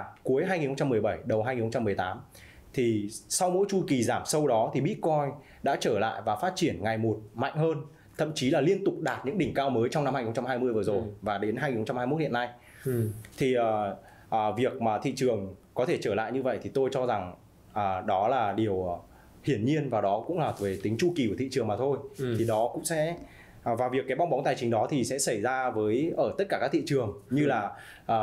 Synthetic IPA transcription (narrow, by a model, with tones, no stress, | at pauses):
ku˨˦əjɦaː˧jŋi˨˩nxŋ͡mt͡ɕa˧mːɨ˨˩əjɓə˧˩jɗə˨˩wha˧ɲi˨˩n˨xə˧ŋ͡mt͡ɕa˧mɨ˨˩ə˩jt̪aː˨˦m | t̪ʰi˨˩sa˧wmo̰˧˥jt͡ɕu˧jki˨˩zaː˧˩msə˧wɗɔ˨˦t̪ʰi˨˩ɓḭ˧˥kɔ˧j | ɗa̰ː˧˥t͡ɕəː˧˩la̰ː˧˨jvaː˨˩faː˦˥t̚t͡ɕi˧˩ənŋa˨˩jmo˨˩t̚ma̰˧˨jŋ̟ɦəː˧n | t̪ʰə̰˧˨mt͡ɕi˨˦laː˨˩li˧ənt̪ʊ˨˩k͡p̚ɗaː˨˩t̚ɲɨ̰˧˥ŋɗï˨˧˩ŋ̟kaː˧wməː˨˦jt͡ɕɔ˧wna˧mhaː˧i˨xt͡ɕa˧mɦaː˧jmɨ˧əjvə˨˩zo˨˩jvaː˨˩ɗe˨˦nɦaː˧jɲi˨˩nxə˧wt͡ɕa˧mhaː˧jmo˦˥t̚ḭ˧˨ə˨na˧j | t̪ʰi˨˩ʔəː˨˩ | ʔːvi˨˩ək̚maː˨˩t̪ʰḭ˧˨t͡ɕɨ˨˩əŋkɔ˨˦t̪ʰe˧˩t͡ɕəː˧˩la̰ː˧˨jɲɨ˧və̰˧˨jt̪ʰi˨˩t̪o˧jt͡ɕɔ˧za˨˩ŋ | ʔəː˨˩ɗɔ˨˦laː˨˩ɗi˨˩əw | hḭ˧˩ənɲi˧ənvaː˨˩ɗɔ˨˦kʊ̰˧˥ŋ͡mlaː˨˩ve˨˦t̪i˨˦ŋ̟t͡ɕu˧ki˨˩ku˧˩t̪ʰḭ˧˨t͡ɕɨ˨˩əŋmaː˨˩t̪ʰo˧jt̪ʰi˨˩ɗɔ˨˦kʊ̰˧˥ŋ͡msɛ̰˧˥ | vaː˨˩vi˨˩əkːaː˨˦jɓa˧wŋ͡mɓa˨˦ŋ͡mt̪aː˨˩jt͡ɕï˨˦ŋ̟ɗɔ˨˦t̪ʰi˨˩sɛ̰˧˥sə˧˩jzaː˧vəː˨˦jʔəː˧˩t̪ə˦˥t̚kaː˧˩aː˦˥kt̪ʰḭ˧˨t͡ɕɨ˨˩əŋɲɨ˧laː˨˩ | ʔəː˨˩